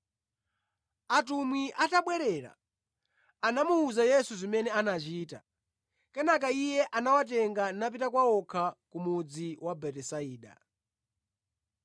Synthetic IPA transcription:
atumwiʔataɓwɛɾɛɾa̰ | anamuːzajɛsuzimɛnɛanat͡ʃiːta̰ | kɛnakaijɛʔanawat̬ɛŋɡanap̬itakwaɔkʰakumud͡ziwabɛtɛsaiːɗa̰

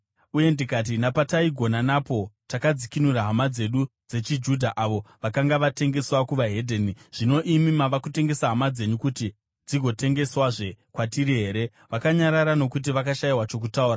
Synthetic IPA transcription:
uje̞ndikat̬inapataiɡʱo̞nanapo̞takad͡zikinuraɦamad͡ze̞ɗud͡ze̞t͡ʃid͡ʒudʱaʔaʋo̞ʋakaŋɡaʋate̞ŋɡe̞swakuʋaɦe̞dʱeːniʐ̥ino̞ʔimimaʋakute̞ŋɡe̞saɦamad͡ze̞ɲukuti | d͡ziɡʱo̞te̞ŋɡe̞swaʐe̞kwatiɾiɦe̞ːɾe̞ | ʋakaɲaɾaɾano̞kut̬iʋakaʃaiwat͡ʃo̞k̬utauːra

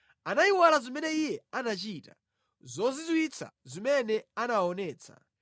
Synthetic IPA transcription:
anaiwalazimɛnɛijɛanat͡ʃiːta̰ | zɔzizwit͡sʰa̰zimɛnɛanaɔnɛːt͡sʰḁ̰

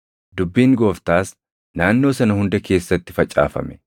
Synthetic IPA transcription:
d̪ʊbːiːŋɡo̞ːft̪aːs | naːnːo̞ːsɐnɐhʊnd̪ɛke̞ːsːɐt̪ːɪfɐt͡ʃʼːa̰ːfɐ̰mɛ̥

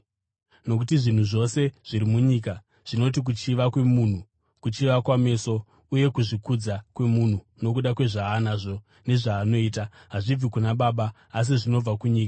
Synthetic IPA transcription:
no̞k̬utiʐin̤uʐo̞se̞ʐ̥iɾimuɲiːka | ʐ̥ino̞t̬ik̬ut͡ʃiʋakwe̞mun̤u | kut͡ʃiʋakwame̞ːso̞ | uje̞kuʐikud͡zakwe̞mun̤u | no̞k̬uɗakwe̞ʐaɦːnaʐo̞ | ne̞ʐaːno̞iːtaɦaʐib͡vikunaɓaːɓaː | s̬iʐino̞b͡vakuɲiːka

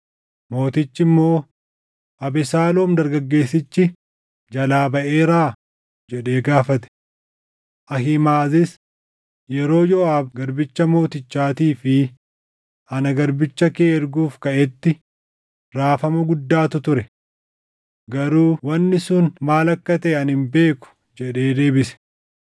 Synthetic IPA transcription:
mo̞ːt̪ɪt͡ʃːɪmːo̞ː | ʔɐbɛsaːloːmd̪ɐɾɡɐɡːe̞ːsːɪt͡ʃːɪ | d͡ʒɐlaːbɐʔe̞ːɾaː | d͡ʒɛᶑe̞ːɡaːfɐt̪ɛ̥ | ʔɐɦɪmaːzɪs | jɛɾo̞ːjɔʔaːbɡɐɾbɪt͡ʃːɐmo̞ːt̪ɪt͡ʃːaːt̪iːfɪ | ʔɐnɐɡɐɾbɪt͡ʃːɐkeːɾɡuːfkɐʔɛt̪ːɪ | ɾaːfɐmɐɡʊd̪ːaːt̪ʊt̪ʊɾɛ | ɡɐɾuːwɐnːɪsʊnmaːlɐkːɐt̪ɐɛɐnhɪmbe̞ːkʊ̥ | d͡ʒɛᶑe̞ːd̪e̞ːbɪsɛ̥

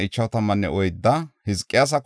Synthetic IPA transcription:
ɪt͡ʃːɐwt̪ɐmːɐnːɛ̰ʔɔjd̪ːɐhɪskʼːɪjas̬ɐk

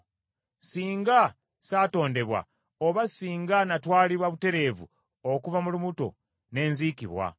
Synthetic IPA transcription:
siːŋɡa | saːto̞ːnde̞βwa̰ | oβasiːŋɡanatwaːliβwaβute̞ɾe̞ːvṵ | okuvamulumuto̞̰ | ne̞ːnziːkḭβwa̰

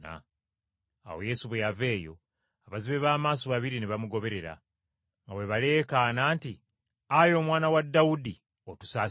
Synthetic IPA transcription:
a̰ː | wo̞̰je̞suβejave̞ːjo̞̰ | aβaziβe̞βaːmaːs̬o̞βaβiɾineβamuɡo̞βe̞ɾe̞ɾa̰ | ŋɡaweβale̞ːkanaːnti | ajo̞ːmwaːnawadːawudi | o̞tu̥saː

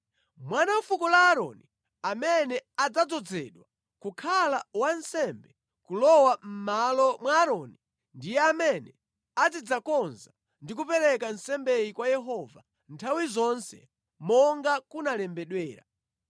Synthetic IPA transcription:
mwanam̩fukɔlaːɾɔ̰ni | amɛnɛad͡zad͡zɔd͡zɛɗwa | kukʰalawansɛmbɛ | kulɔwam̩malɔmwaːɾɔni | ndijɛamɛnɛ | ad͡zid͡zakɔnza | ndik̬upɛɾɛkansɛmbɛjikwajɛɦɔva̰ | ntʰawizɔnsɛ̰ | mɔŋɡakunalɛmbɛɗwɛːɾa̰

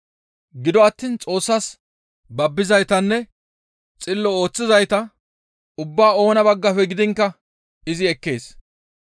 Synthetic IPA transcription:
ɡɪd̪ɔɐt̪ːiːnt͡sʼo̞ːsːɐs | bɐbːɪzɐjt̪ɐnːɛ | t͡sʼɪlːɔo̞ːt͡sːɪzɐjt̪ɐ | ʊbːaːo̞ːnɐbɐɡːɐfɛɡɪd̪ɪŋkːɐ | ɪzɪɛkːe̞̰ːs

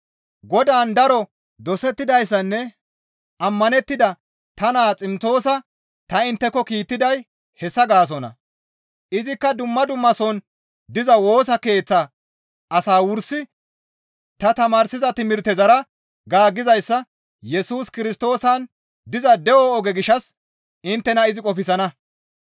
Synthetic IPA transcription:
ɡɔd̪aːnd̪ɐɾɔ | d̪ɔsɛt̪ːɪd̪ɐjs̬ːɐnːɛ | ʔɐmːɐnɛt̪ːɪd̪ɐ | t̪ɐnaːt͡sʼɪmt͡so̞ːs̬ɐ | t̪ɐɪnt̪ːɛkːɔkiːt̪ːɪd̪ɐj | hɛsːɐɡaːs̬ɔnɐ̰ | ʔɪzɪkːɐd̪ʊmːɐd̪ʊmːɐsɔn | d̪ɪzɐwo̞ːs̬ɐke̞ːt͡sːɐ | ɐsaːwʊɾsɪ | t̪ɐt̪ɐmaːɾsɪzɐt̪ɪmɪɾt̪ɛzɐɾɐ | ɡaːɡːɪzɐjsːɐ | jɛsuːskɪɾɪst̪o̞ːsɐn | d̪ɪzɐd̪ɛʔɔːɡɛɡɪʃːɐs | ɪnt̪ːɛnɐɪzɪkʼɔfɪsɐnɐ

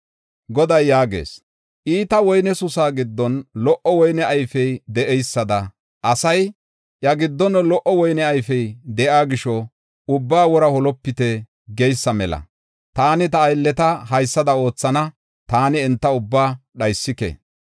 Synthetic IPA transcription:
ɡɔd̪ɐjːaːɡe̞̰ːs | ʔiːt̪ɐwɔjnɛsʊsaːɡɪd̪ːɔnlɔʔɔwɔjnɛʔɐjfɛjd̪ɛʔɛjsːɐd̪ɐ | ʔɐsɐj | ʔjɐɡɪd̪ːɔnlɔʔɔwɔjnɛɐjfɛjd̪ɛʔaːɡɪʃɔ | ʊbːaːwɔɾɐhɔlɔpːɪt̪ɛ | ɡɛjsːɐmɛlɐ̰ | t̪aːnɪt̪ɐːjlːɛt̪ɐɦɐjsːɐd̪ɐo̞ːt͡sːɐnɐ | t̪aːnɪːnt̪ːɐʊbːaːɗɐjsːɪkḛ

